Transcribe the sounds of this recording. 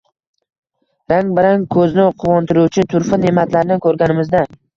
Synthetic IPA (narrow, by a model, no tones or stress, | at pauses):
ɾaŋbɪɾaŋkʰɵznɪqʰʊwɒnt̪ʰɪɾuwt͡ʃʰɪt̪ʰʊɾfɪne̞mat̪ʰlaɾnɪkʰɵɾɡʲanɪmɪzd̪a